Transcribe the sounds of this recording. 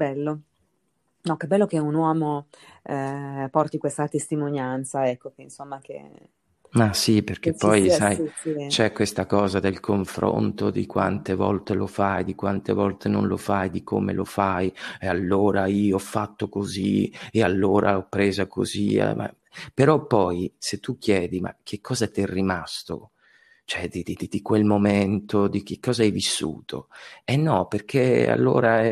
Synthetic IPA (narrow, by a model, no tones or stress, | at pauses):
bɛlːo | nɔkebːɛlːokeunwɔːmo | pɔrt̪ikwest̪at̪est̪imonjant̪saɛkːokeinsomːakḛ | masiperk̟epːɔjsajsit͡ʃɛkwest̪akɔːzad̪elkʰoɱfɾo̰nt̪od̪ikwa̰nt̪evɔ̰lt̪elofajd̪ikwant̪evɔlt̪ʰeno̰nlo̰fajd̪ikʰomḛlʔo̰fajealːoːɾaiːoɔfːat̪ːokozḭealːoːɾʔa̰ɔpːɾeːzakʰo̰zḭma̰ | peɾɔpːɔjset̪ːuk̟ʰːjɛːd̪ima̰kʰːekʰːɔːzat̪iɛrːimast̪o̰ | t͡ʃoɛd̪id̪id̪id̪ikwelmoment̪od̪ik̟ekːɔːzaɛjvisːṵːt̪ʰo̰ɛnːɔperk̟ʰea̰lːo̰ːɾaɛ